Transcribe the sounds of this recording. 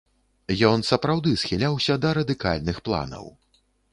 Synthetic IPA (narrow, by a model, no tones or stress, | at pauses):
jɔnsɐpɾawd̪ɨsxʲilʲawsʲɐd̪ɐɾɐd̪ɨka̰lʲnɨxplˠa̰nɐ̰w